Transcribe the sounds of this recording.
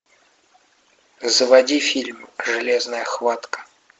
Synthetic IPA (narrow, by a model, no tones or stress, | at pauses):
zəvɐdʲifʲilʲmʐɨlʲeznəjəxvat̪kə̥